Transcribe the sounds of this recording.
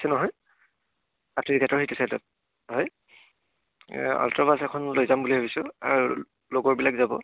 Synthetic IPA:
sɛnɔɦɔj | apʰniɹɡatɔɹhitusajtɔ̰t̚ | hɔj | a̰ltɔbasɛkʰɔnlojzambuliɦobisʊa̰ɹu | loɡɔɹbilakzabɔ̰

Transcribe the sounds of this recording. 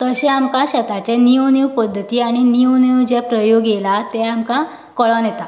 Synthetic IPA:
t̪əɕɛ̃amkaɕət̪at͡ɕeniəwniwpəd̪ʱːət̪iːaɽ̃iniəwniwd͡ʑepɾəjoɡelat̪ɛamka | kəɭanjɛt̪a

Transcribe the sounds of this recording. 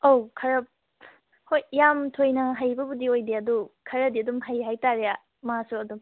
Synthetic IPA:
owkʰɐɾɐp̚ | hojjamtʰojnɐɦajbɐbudiojdeɐdukʰɐɾɐdiɐdumɦajɦajtaɾeja | masuɐdum

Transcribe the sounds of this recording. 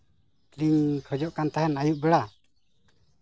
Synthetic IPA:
kliŋkʰɔd͡ʒɔʔkant̪aɦɛnajuʔ̚bɛɽa

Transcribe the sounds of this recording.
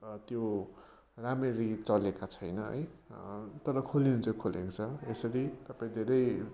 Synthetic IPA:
t̪jo | ramerit͡sʌlekat͡sʰʌjnʌɦʌ̰j | t̪ʌɾʌkʰoliunt͡sʌkʰolḛkot͡sʰʌesʌɾit̪ʌpãĩd̪ʱeɾʌj

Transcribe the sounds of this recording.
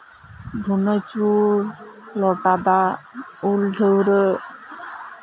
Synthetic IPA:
d̪ʱunət͡ʃuɾ | lɔʈad̪aulɖʱəwɾə

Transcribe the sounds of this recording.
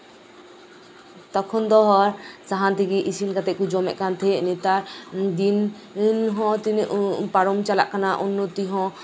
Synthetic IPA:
t̪ɔkʰɔnd̪ɔɦɔɾsaɦant̪iɡiʔisinkat̪ɛʔkud͡ʒɔmɛ̰ʔkant̪ʰɛnit̪aɾd̪in | nɦɔ̃t̪inʔpaɾɔmt͡ʃala̰ʔkanaʔunːɔt̪iɦɔ̃

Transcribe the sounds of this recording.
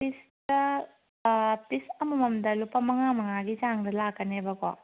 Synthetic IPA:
pisdɐ | pisɐmɐmɐmdɐlupɐmɐŋamɐŋaɡizaŋdɐlakːɐnebɐkɔ̰

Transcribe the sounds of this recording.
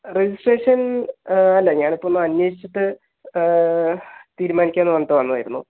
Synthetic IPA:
red͡ʑisʈreːʂɐn | ɐlːɐɲaːɳipːonːɨɐnjeːʂit͡ɕːɐt̪ːɨ | t̪iːɾumaːnikʲːaːenːɨʋɐnːɐt̪ːɨʋɐnːuʋaːjiɾunːu

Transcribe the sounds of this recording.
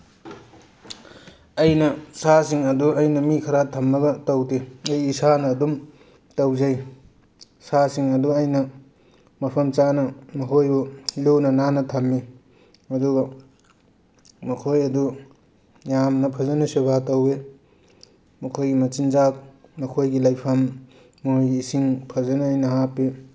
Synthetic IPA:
ɐjnɐsasiŋɐduɐjnɐmikʰɐɾatʰɐmːɐɡɐtɐwteɐjːsanɐːdum | tɐwzɐj | sasiŋɐduɐjnɐ | mɐpʰɐmt͡ʃanɐmɐɦʰojbuluwnɐnanɐtʰɐmːi | ɐduɡɐ | mɐkʰojɐdu | jamnɐpʰɐzɐnusubatɐwe | mɐkʰojɡimɐt͡ʃind͡ʒak̚mɐkʰojɡilajpʰɐmː | ojɡiːsiŋpʰɐzɐnuːjnɐɦapːi

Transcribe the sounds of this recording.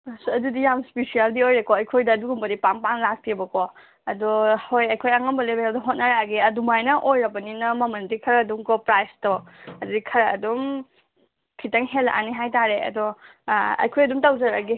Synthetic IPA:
sɐdudijamspisijaldiojɾekɔɐjkʰojdɐːduɡumbɐdipaŋpaŋlak̚tʰibɐkɔ | ɐdɔhojɐjkʰojɐŋɐmbɐlebeɾawdɐɦot̚nɐɾaɡiɐdumajnɐʔojɾɐbɐninɐmɐmɐndikʰɐɾɐːduŋkɔpɾajstoɐdudikʰɐɾɐ̰ːdum | kʰitɐŋɦelʔa̰niɦajtaɾeɐ̰dɔ | ɐ̰jkʰojɐdumtawzɐɾaɡi

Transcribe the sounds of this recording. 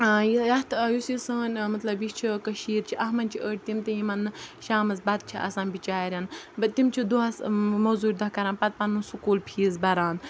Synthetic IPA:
jijɐt̪ʰjusisɐːnʲmɐt̪lɐbjit͡ʃʰikɐʃiːɾt͡ʃʰiʔɐɦmɐnʲt͡ʃʰiəːʈ̚ʰʲt̪imt̪ɐjimɐnːɨʃaːmɐzbɐd̪̚t͡ʃʰiʔɐ̰sãːnbit͡ʃaːɾʲɐnbɐt̪imt͡ʃʰid̪uɦɐsmozuːɾʲd̪ɐkɐɾãːnpɐt̪̚pɐnːunsukuːlpʰiːzbɐɾaːn

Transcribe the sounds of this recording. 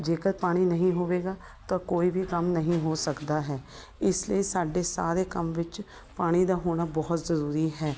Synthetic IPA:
d͡ʒeːkəɾpaːɽ̃iːnəɦĩːɦoːʋeːɡaː | t̪ãːkoːiːbiːkəmnəɦĩːɦoːsəkd̪aːɦɛː | ɪsləiːsaːɖeːsa̰ːɾeːkəmʋɪt͡ʃ | paːɽ̃iːd̪aːɦoːɽ̃aːbɔːt̪zəɾuːɾiːɦɛː

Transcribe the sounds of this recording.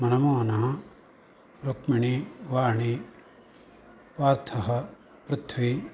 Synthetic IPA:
mɐnɐmoːnaː | ɾokmiɳiʋaːɳi | ʋaːɾt̪ʰɐɦɐ̆ | pɾut̪ʰʋi

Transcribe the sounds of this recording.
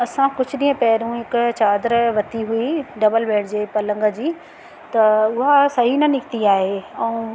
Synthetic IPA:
ɐsãkʊd͡ʑʱʊɗĩːə̃pɛɦɪɾũɦɪkt͡ɕaːd̪ɾʋɐt̪iɦuiɖɐbəlʋeːɽd͡ʑeːpɐlə̃ŋɡə̆d͡ʑiː | t̪ɐʊɦasɐɦinɐnɪkʰt̪iaːɦeɛ̃ũ

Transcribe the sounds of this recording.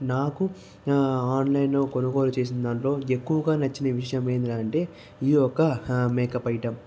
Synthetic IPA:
naːku | aːnlɐjnlo̞ːkonɐɡoːlut͡ʃe̞ːs̬ind̪ɐɳʈlo̞ːe̞kːuʋɐɡaːnɐt͡ʃːinɐʋiʂɐjɐmeːnd̪ilaːɳʈe̞ː | iɔkɐmɛːkɐpɐjiʈɐm

